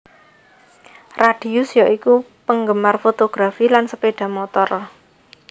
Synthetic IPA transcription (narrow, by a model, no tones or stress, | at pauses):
raɖ̥i̤ʊsjaʔiku | pəŋɡəmarfot̪oɡ̥ɾafilansəpeɖ̥ä̤mot̪ɔr